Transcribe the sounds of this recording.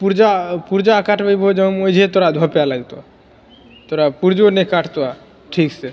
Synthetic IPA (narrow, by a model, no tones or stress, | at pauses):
puɾd͡ʒapuɾd͡ʒaakaʈʰbajbod͡ʒɔmojd͡ʒʱet̪oɾad̪ʱɔpealajt̪oa | t̪oɾapuɾd͡ʒonekaʈʰt̪oa | ʈʰikse